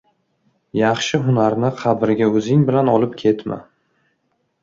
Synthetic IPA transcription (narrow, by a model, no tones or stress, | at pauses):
jɑχʃɪɦʊnaɾnɪqʰɑbɪɾɪɡʲaɵzɪŋbɪlanɒlɪp̚kʲʰe̞t̪ma̰